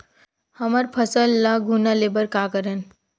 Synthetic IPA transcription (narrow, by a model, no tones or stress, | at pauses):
həməɾpʰəsəlːaɡʱunalebəɾkakəɾən